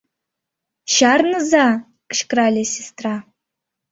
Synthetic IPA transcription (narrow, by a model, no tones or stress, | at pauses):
ʃarnɨza | kɨʃkralʲesʲɪstʰra